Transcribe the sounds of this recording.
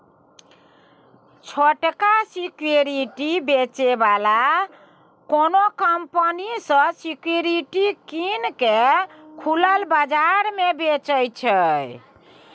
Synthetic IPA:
t͡ʃʰoʈkasikjoɾiʈibet͡ʃebala | konokəmpənisə̃sikjoɾiʈikinkekʰuləlbad͡ʒaɾmebet͡ʃəjt͡ʃʰəj

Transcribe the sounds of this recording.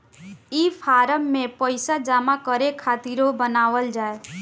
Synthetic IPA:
ipʰaɾəmːẽpəjsad͡ʒamakəɾekʰat̪iɾobənaʋəld͡ʒae

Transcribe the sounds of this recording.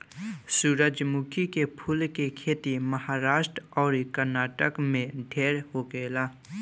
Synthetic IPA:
suːɾəd͡ʒmukʰikepʰulkekʰeːt̪iməhaːɾaːsʈɾɔːɾikəɾnaːʈəkmẽɖʱeːɾhokelaː

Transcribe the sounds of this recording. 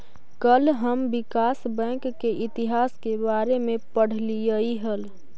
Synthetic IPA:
kəlɦəmbɪkaːsbɛ̃ːŋkːeʔɪt̪iɦaːskebaːɾemẽpəɽ̤lijəiɦəl

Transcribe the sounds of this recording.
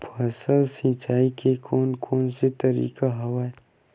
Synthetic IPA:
pʰɐsəlsĩt͡ʃaːikʰekʰoːnkʰoːnset̪ɐɾḭːkaɦɐwaːe

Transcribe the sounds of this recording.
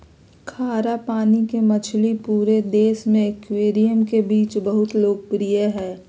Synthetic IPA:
kʰaːɾapaːnikemɐt͡ʃʰlipuːɾed̪eːsmẽɪkweːɾijəmkebiːt͡ʃbəɦʊt̪loːɡ̚pɾijəɦɛː

